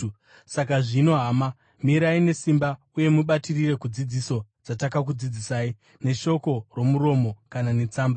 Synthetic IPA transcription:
sakaʐino̞ɦama | miɾaine̞simba | uje̞muɓatirire̞kud͡zid͡ziso̞d͡zatakak̬ud͡zid͡zisaːi | ne̞ʃo̞ko̞ro̞muɾo̞mo̞kanane̞t͡saːmba

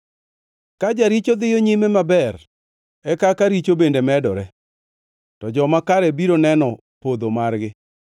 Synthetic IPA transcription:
kad͡ʒaɾit͡ʃod̪ɪjoɲimemabɛr | ɛkakaɾit͡ʃobendemɛdɔɾɛ | tɔd͡ʒɔmakaɾɛbiɾonɛnɔ | pod̪omarɡɪ

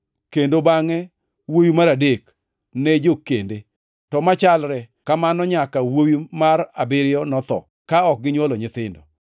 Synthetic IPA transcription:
kendobaŋɛ | wowimaɾadek | ned͡ʒokːende | tɔmat͡ʃalɾɛ | kamanɔɲakawowimaɾabɪɾɪjɔnɔt̪ɔ̰ | kaɔk̚ɡɪɲwɔlɔɲɪt̪ɪndɔ̰

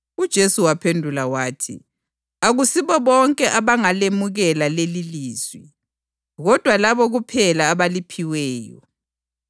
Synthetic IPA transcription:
ud̥ʒ̥ʱesuwapʰendʱulawaːtʰḭ | aɣusiβɔβɔŋkʼɛʔaβaŋalemuɣɛlaleliliːzwi | ɣɔd̥ʱwalaβɔɣupʰɛlaːβalipʰiwɛːjɔ̰

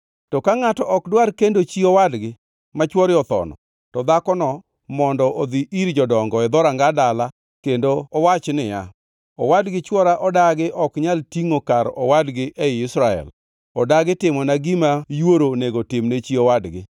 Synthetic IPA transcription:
tɔkaŋatɔʔɔkdwarkendot͡ʃiowadɡɪ | mat͡ʃwɔɾɪɔt̪ɔ̰nɔ̰ | tɔd̪akɔnɔ | mɔndɔʔod̪iʔiɾd͡ʒɔdɔŋɡɔɛd̪ɔɾaŋɡadala | kendoɔwat͡ʃnɪja̰ | ɔwadɡɪt͡ʃwɔɾaʔɔdaɡɪʔɔkɲaltiŋokaɾɔ̰wadɡɪʔɛɪɪsɾaɛ̰l | ɔdaɡɪtɪmɔnaɡɪmajwoɾoneɡotɪmnet͡ʃiɔwadɡɪ̰

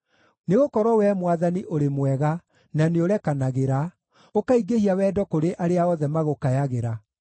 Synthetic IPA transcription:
neɣokɔɾɔwɛmwaðaniʔoɾemwɛɣa | naneoɾɛkanaɣeɾa | okaiɡehiawɛːdɔkoɾeʔaɾeaɔðɛmaɣokajaɣeɾa

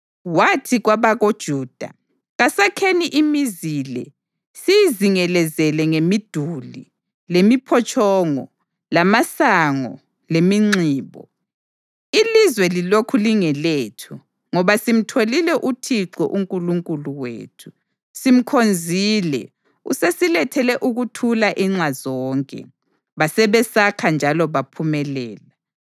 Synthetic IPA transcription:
watʰiɣwaβaɣod̥ʒ̥ʱuːd̥ʱa | ɣasakʰeniʔimiziːlɛ̰ | sijiziŋɛlɛzɛlɛŋemid̥ʱuli | lemipʰɔt͡ʃʼʰɔːŋɔ | lamasaŋɔ̰ | lemiŋ͡ǀiːβɔ̰ | ilizwɛlilokʰuliŋɛleːtʰu | ŋɔβasim̩tʰolilɛʔutʰiǁɔ̰ʔuŋkʼuluŋkʼuluwḛːtʰu̥ | sim̩kʰond͡zʱiːlɛ̰ | ṵsesilɛtʰɛlɛʔuɣutʰulaʔiŋ͡ǁazɔːŋkʼɛ̰ | βasɛβɛsakʰand͡ʒʱalɔβapʰumɛlɛːla

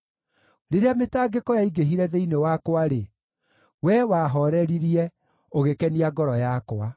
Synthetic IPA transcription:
ɾeɾeametaːɡekɔjaiɡeɦiɾɛðeinewakwaɾe | wɛwaːɦɔɾɛɾiɾiɛ | oɣekɛniaɡɔɾɔjakwa

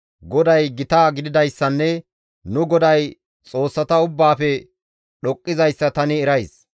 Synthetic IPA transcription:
ɡɔd̪ɐjɡɪt̪aːɡɪd̪ɪd̪ɐjsːɐnːɛ | nʊɡɔd̪ɐj | t͡sʼo̞ːsːɐt̪ɐʊbːaːfɛ | ɗɔkʼːɪzɐjsːɐt̪ɐnɪɛɾɐjs

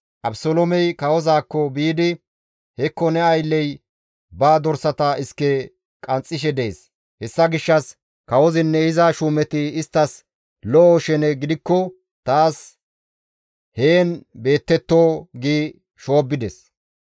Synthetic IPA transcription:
ʔɐbsolɔmɛjkɐwɔzaːkːɔbiːd̪ɪ | hɛkːɔnɛɐjlːɛj | baːd̪ɔɾsɐt̪ɐɪskːɛ | kʼɐnt͡sʼːɪʃ̬ɛd̪ɛeːs | hɛsːɐɡɪʃːɐs | kɐwɔzɪnːɛɪzɐʃuːmɛt̪ɪːst̪ːɐs | lɔʔɔʃɛnɛɡɪd̪ɪkːɔ | t̪aːs | heːnbe̞ːt̪ːɛt̪ːoːɡiː | ʃo̞ːbːɪd̪ɛs

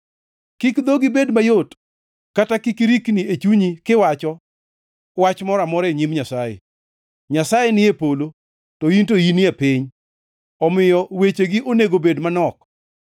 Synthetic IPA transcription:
kikd̪oɡɪbedmajot | katakikɾikniet͡ʃuɲikɪwat͡ʃɔ | wat͡ʃmɔɾamɔɾeɲimɲasajḛ | ɲasajenɪepolo | tɔintoiniapiɲ | ɔmɪjɔwet͡ʃeɡɪʔoneɡobedmanɔk

